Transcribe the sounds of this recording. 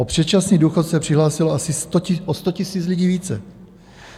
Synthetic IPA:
ʔopr̝̥ɛt̪t͡ʃasniːduːxot̪sɛpr̝̥ɪɦlaːsɪloasɪst̪oɪʔost̪ocɪsiːt͡slɪɟiːviːt͡sɛ

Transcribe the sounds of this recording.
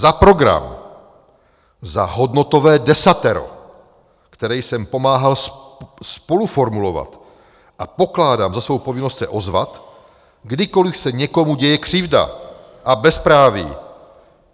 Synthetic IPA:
zapɾo̞ɡɾa̰m | zaɦo̞dno̞t̪o̞vɛːdɛsat̪ɛɾo̞̰ | kt̪ɛɾɛjsɛmpo̞maːɦalsspo̞lufo̞ɾmulo̞va̰t̪ | ʔapo̞klaːdaːmzasvo̞wpo̞vɪnost̪sɛʔo̞zva̰t̪ | ɡdɪko̞lɪfsɛɲɛko̞muɟɛjɛkr̝̥ɪvda̰ | ʔabɛspɾaːvḭː

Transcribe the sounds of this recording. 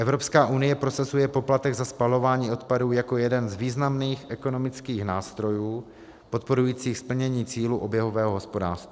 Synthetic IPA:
ʔɛvɾo̞pskaːʔunɪjɛpɾo̞sazujɛpo̞plat̪ɛɡzaspalo̞vaːɲiːʔo̞t̪paduːjako̞jɛdɛnzviːznamniːxʔɛko̞no̞mɪt͡skiːxnaːst̪ɾo̞juː | po̞t̪̚po̞ɾujiːt͡siːxspl̩ɲɛɲiːt͡siːluʔobjɛɦovɛːɦoɦospo̞da̰ːst̪va

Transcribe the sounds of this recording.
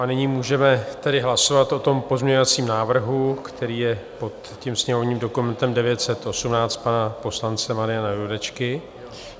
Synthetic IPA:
ʔanɪɲiːmuːʒɛmɛt̪ɛdɪɦlaso̞vat̪ʔo̞t̪o̞mpo̞zmɲɛɲo̞vat͡siːmnaːvr̩ɦukt̪ʰɛɾiːjɛpo̞t̪ | cimsɲɛɦovɲiːmdo̞kumɛnt̪ɛmdɛvjɛt̪sɛt̪ʔo̞sumnaːt͡st̪̚panapo̞slant͡sɛmaɾɪjanajudɛt͡ʃkɪ

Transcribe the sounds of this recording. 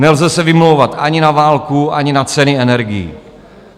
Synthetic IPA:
nɛlzɛsɛvɪmlowvat̪ʔaɲɪnavaːlkuʔaɲɪnat͡sɛnɪɛnɛɾɡɪjḭ

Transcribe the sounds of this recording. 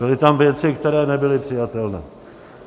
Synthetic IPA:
bɪlɪt̪amvjɛt͡sɪkt̪ɛɾɛːnɛbɪlɪpr̝̥ɪjat̪ɛlnɛ̰ː

